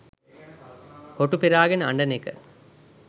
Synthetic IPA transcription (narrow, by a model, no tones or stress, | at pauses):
hoʈːupiɾaːɡɐnɐ̰ɳɖɐnekə̰